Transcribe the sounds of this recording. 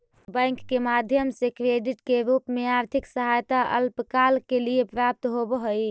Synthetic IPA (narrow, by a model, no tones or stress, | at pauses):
bə̃j̃ŋkːemad̪ʱjəmsekɾeɖiʈkeɾupmeaɾt̪ʰiksəɦajt̪aʔə̰lpkalkelijepɾap̚t̪ɦobɦəj